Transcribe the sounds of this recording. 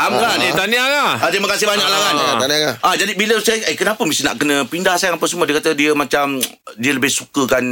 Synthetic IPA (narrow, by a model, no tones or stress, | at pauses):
amɡanit̪aniaŋaat̪imakasɪhbaɲaʔ̚laŋaat̪aniaŋaʔad͡ʒadibiləsajʔəkənapəmist̪ina̰ʔkənə̃pindahsajaŋapasəmuədiəkat̪ədiəmat͡ʃamdiələbɪhsukəkan